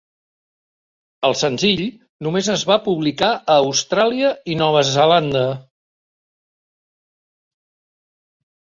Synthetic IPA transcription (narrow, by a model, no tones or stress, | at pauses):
əlˠsənziʎ | numezəzβapuβlikaəːwst̪ɾaliəinɔβ̞əzəland̪ə